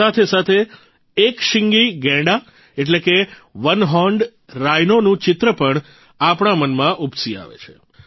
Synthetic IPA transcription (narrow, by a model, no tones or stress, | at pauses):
at̪ʰesat̪ʰeː | kʃɪŋɡiɡɛ̃ɖa | eʈleke | ʋənɦɔɳɖ | ɾajnonũt͡ʃɪt̪ɾəpəɳ | apɳ̃amənmãʔupsia̰ʋḛt͡ʃʰe̥